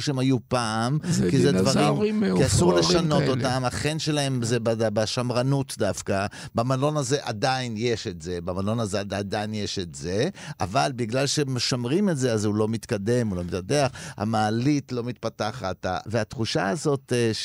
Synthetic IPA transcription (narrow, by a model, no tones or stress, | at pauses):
ʃeemajupaːmkized̪vaʁimkiasuʁleʃano̞t̪o̞tamaχenʃe̞lae̞mzebaabaʃamʁanutdafka | bamalo̞naze̞ʔad̪ainjeʃetze̞bamalo̞nazeadaad̪ainjeʃetze̞a̰valbiɡlalʃemeʃamʁimetzeazhulo̞mit̪kad̪e̞mulo̞mit̪adeaχha̰maːlitlo̞mit̪̚pataχata̰veat̪χuʃa̰azo̞t̪